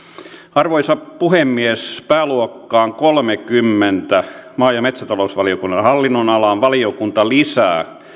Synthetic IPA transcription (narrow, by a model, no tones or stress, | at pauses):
ɑrʋoisɑpuhemːiespæːluokːɑːŋkolmekymːent̪æmɑːjɑmet̪sæt̪ɑlousʋɑliokunːɑnhɑlːinːonɑlɑnʋɑliokunt̪ɑlisæ̰ː